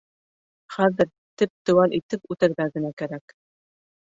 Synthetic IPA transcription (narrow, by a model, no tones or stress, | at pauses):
χæðɘɾ | t̪ɘp̚t̪ɵ̆wænʔit̪ɘpʉt̪ɘ̆ɾðæɡɘ̆nækæɾæk